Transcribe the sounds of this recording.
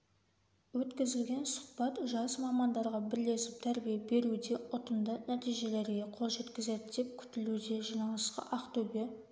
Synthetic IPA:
wɵt̪kʲɪzɪlɡʲe̞nsʊ̥χbɑt̪ʒɑsmɑmɑnd̪ɑɾʁɑbɪɾle̞sɪp̚t̪ʰæɾbijebe̞ɾud̪e̞ʔʊt̪ənd̪ənæt̪ijʒe̞le̞ɾɡʲe̞qʰolˠʒe̞t̪kʲɪze̞d̪ɪd̪e̞p̚kʲʰʏ̥t̪ɪlud̪e̞ʒijnɑlˠəsqə̰ʔɑqt̪ʰɵbe̞

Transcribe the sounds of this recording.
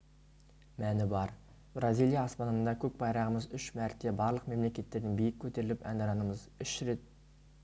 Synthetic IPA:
mænɪbɑɾ | brazijlˠijɑːspɑnəənd̪ɑkʲʰɵk̚bɑjɾɑʁəməzʏʃmæɾt̪ːe̞bɑɾlˠəqme̞mle̞kʲe̞t̪ːe̞ɾd̪ɪŋbijɪkʲʰːɵt̪e̞ɾɪlɪpæ̰nd̪ɑɾɑnəməzʏʃɾe̞t̪̚

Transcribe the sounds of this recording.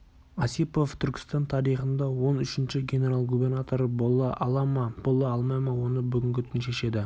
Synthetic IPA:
ɑsipo̞ft̪ʰʏɾʲkʲɪ̥st̪ɑnt̪ʰɑɾijχənd̪ɑwo̞nʏʃɪnʃɪɡʲene̞ɾalˠɡubʲe̞rnat̪o̞ɾbˠɑʔɑlˠɑmɑb̥olˠɑɑlˠmɑjmɑwo̞nəbʏɡʲɪŋɡʲɪt̪ʰʏnʃe̞ʃe̞d̪ɪ

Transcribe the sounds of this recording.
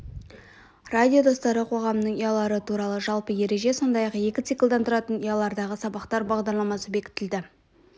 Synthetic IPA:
radʲijo̞d̪o̞st̪ɑɾəqʰo̞ʁɑmənəɴijɑlˠɑɾət̪ʰuɾɑlˠəʒɑlˠpəje̞ɾe̞ʒe̞so̞nd̪ɑjɑqje̞kʲɪt̪sɨklˠd̪ɑnt̪ʰʊɾɑt̪ənijɑlˠɑɾd̪ɑʁəsɑbɑqt̪ɑɾbɑʁd̪ɑɾlˠɑmɑsəbe̞kʲɪ̥t̪ɪld̪ɪ

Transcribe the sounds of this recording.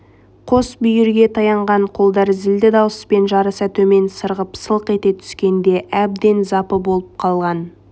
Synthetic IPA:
qʰosbʏjʏɾɡʲe̞t̪ʰɑjɑɴʁɑɴqʰo̞lˠd̪ɑɾzɪld̪ɪd̪ɑwəspe̞nʒɑɾəsɑt̪ʰɵme̞nsəɾʁəpsəlˠəqe̞t̪e̞t̪ʰʏ̥skʲe̞nd̪e̞ʔæb̚d̪e̞nzɑpəbo̞lˠəp̚qʰɑlˠʁɑn

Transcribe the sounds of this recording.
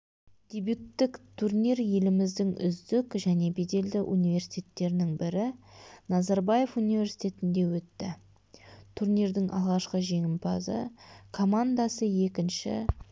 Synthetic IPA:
d̪̥ʲe̞bjut̪ːɪkt̪ʰurnʲiɾje̞lɪmɪzd̪ɪŋʏ̰zd̪ɪkʒæne̞be̞d̪e̞ld̪ɪʔunivʲe̞ɾsi̥t̪ʰʲe̞t̪ːe̞ɾɪnɪŋbɪɾɪnɑzɑɾbaje̞funivʲe̞ɾsi̥t̪ʲe̞t̪ɪnd̪e̞wɵt̪ːɪ | t̪ʰuɾnʲiɾd̪ɪŋʔɑ̰lˠʁɑʃqəʒe̞ŋɪmpʰɑzə̰kʰo̞mand̪asəje̞kʲɪnʃɪ̰

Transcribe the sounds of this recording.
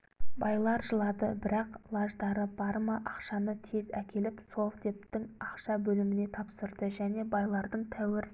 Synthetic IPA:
bɑjlˠɑɾʒəlˠɑd̪əbɪɾɑqlˠɑʒd̪ɑɾəbɑɾməʔɑqʃɑnət̪ʰe̞zækʲe̞lɪpso̞lˠfd̪e̞p̚t̪ɪŋɑqʃɑbɵlɪmɪne̞t̪ʰɑpsəɾd̪əʒæne̞bɑjlˠɑɾd̪əɴt̪ʰæwɪɾ

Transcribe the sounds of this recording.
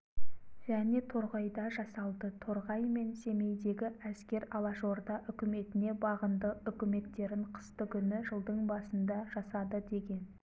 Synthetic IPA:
ʒæne̞t̪ʰo̞ɾʁɑjd̪ɑʒɑsɑlˠd̪ət̪ʰoɾʁɑjme̞nse̞me̞jd̪e̞ɡʲɪæskʲe̞ɾɑlˠɑʃo̞ɾd̪ɑʔʏkʲɪme̞t̪ɪne̞bɑʁənd̪əʏkʲɪme̞t̪ːe̞ɾɪɴqʰə̥st̪əkʲʰʏnɪʒəlˠd̪əɴbɑsənd̪ɑʒɑsɑd̪əd̪e̞ɡʲe̞n

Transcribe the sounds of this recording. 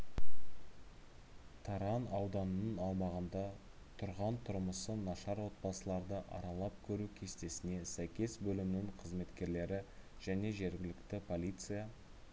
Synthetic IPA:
t̪ʰɑɾɑnɑwd̪ɑnənənɑlˠmɑʁənd̪ɑ | t̪ʰʊɾʁɑnt̪ʰʊɾməsənɑʃɑɾwo̞t̪̚bɑsəlˠɑɾd̪əʔɑ̰ɾɑlˠɑp̚kʲʰɵɾukʲʰe̞st̪e̞sɪne̞sæjkʲe̞sbɵlɪmɪnɪŋqʰəzme̞t̪kʲe̞ɾle̞ɾɪʒ̥æne̞ʒe̞ɾɡʲɪlɪkt̪ɪpʰo̞lʲijt̪sɨja

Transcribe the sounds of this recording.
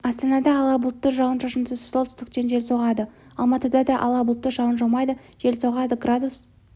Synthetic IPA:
ɑst̪ɑnɑd̪ɑːlˠɑbʊlˠət̪ːəʒɑwˠənʃɑʃənsəzsolˠt̪ʏ̥st̪ɪk̚t̪e̞nʒe̞lʲso̞ʁɑd̪ə | ɑ̰lˠmɑt̪əd̪ɑd̪ɑʔɑ̰lˠɑbʊlˠət̪ːəʒɑwənʒɑmɑjd̪ə | ʒ̥e̞lsoʁɑd̪əɡrad̪us

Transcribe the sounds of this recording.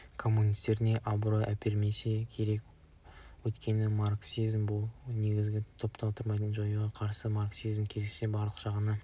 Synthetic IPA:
kʰo̞mːunijst̪e̞ɾɪne̞ʔabɾoʔæpʰeɾme̞se̞kʲʰe̞ɾe̞k | wɵt̪kʲʰe̞nɪmaɾksizmbʊlˠne̞ɡʲɪzɡʲɪt̪ʰo̞pt̪ɑlˠt̪ʰəɾmɑjt̪ənʒojəʁɑqʰɑɾsəmaɾksizmkʲʰelese̞bɑɾlˠəqʒ̥ɑʁənɑ

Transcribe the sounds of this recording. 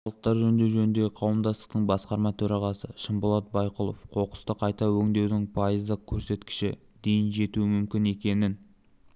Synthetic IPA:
χɑlˠəq̚t̪ɑɾʒɵnd̪e̞wʒɵnɪnd̪e̞ɪqʰɑwəmd̪ɑst̪ə̥q̚t̪əɴbɑsqɑɾmɑt̪ʰɵɾɑʁɑsəʃəmbolˠɑt̪̚bɑjqəlˠo̞fqʰo̞qə̥st̪əqʰɑjt̪ɑwɵŋd̪e̞wd̪ɪŋpʰɑjəzd̪əq̚kʲʰɵɾse̞t̪kʲɪ̥ʃɪ | d̪e̞jɪnʒe̞t̪uɪmʏmkʲɪne̞kʲe̞nɪn

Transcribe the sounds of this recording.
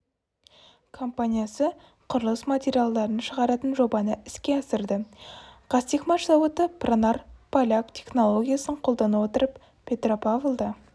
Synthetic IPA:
kʰo̞mpanʲijasə | qʰʊɾəlˠəsmat̪ʲe̞ɾʲijalˠd̪ɑɾənʃəʁɑɾɑt̪ənʒo̞bɑnəɪskʲe̞ɑsəɾd̪əqʰɑst̪ikmaʂɑwət̪əpronarpʰalʲakt̪ʲʰe̞χno̞lˠo̞ɡʲijasəɴqʰo̞lˠd̪ɑnəwo̞t̪əɾəp | pʲʰe̞t̪ropavlˠd̪ɑ

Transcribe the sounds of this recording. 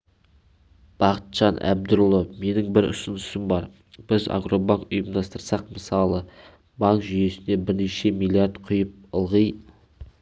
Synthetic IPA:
b̥ɑqə̥t̪ʒ̥ɑnʔæ̰b̚d̪ʊɾlˠome̞nɪŋbɪɾʊ̰sʊnəsɪmbɑɾ | b̥ɪza̰ɡɾo̞baŋkʊjəmd̪ɑst̪əɾsɑq̚məsɑlˠə | bɑŋkʒʏje̞sɪnd̪e̞bɪɾneʃe̞milʲˠijaɾd̪qʰʊjəp̚əlˠʁəj

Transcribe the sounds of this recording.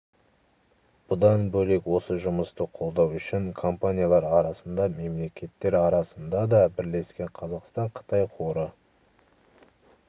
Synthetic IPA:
b̥ʊd̪ɑnbɵle̞kwo̞səʒʊməst̪əqʰolˠd̪ɑwʏʃɪŋkʰo̞mpanʲijalˠɑɾɑɾɑsənd̪ɑme̞mle̞kʲʰe̞t̪ːe̞ɾɑɾɑsənd̪ɑd̪ɑbɪɾle̞skʲe̞ɴqʰɑzɑqst̪ɑɴqʰə̥t̪ɑjqʰo̞ɾə

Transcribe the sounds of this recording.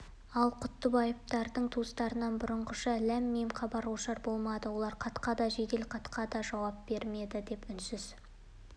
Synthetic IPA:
ɑlˠqʰʊt̪ːəbɑjəp̚t̪ɑɾd̪əɴt̪ʰust̪ɑɾənɑnbʊɾəɴqəʃɑlæmːejmqʰɑbɑɾwoʃɑɾbo̞lˠmɑd̪əwo̞lˠɑɾqʰɑt̪qɑd̪ɑʒe̞d̪e̞lqʰɑt̪qʰɑd̪ɑʒɑwɑp̚be̞ɾme̞d̪ɪd̪e̞pʏnsɪz̥

